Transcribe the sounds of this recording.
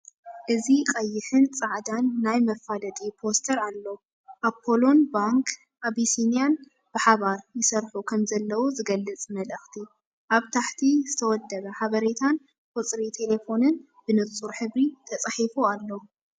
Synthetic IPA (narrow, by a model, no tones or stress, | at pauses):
ʔɨzikʼɐjːɪħɨnt͡sʼaʕd̪anːajmɐfalɐt̪ʼipʰo̞st̪ʰɐɾalːo | ʔapʰːolo̞nbaŋkʰ | ʔaβisinijan | b̥ɨħaβaɾjɪsɐɾħukʰɐmzɐlːɐwuzɨɡɐlːɨt͡sʼmɐlʔɐxt̪ʰi | ʔaβt̪ʰaħt̪ʰizɨt̪ʰɐwɔd̪ːɐβɐħaβɐɾet̪ʰan | kʼɔt͡sʼɾit̪ʰe̞le̞fo̞nɨn | b̥ɨnɨt͡sʼuɾħɨβɾit̪ʰɐt͡sʼaħifualːo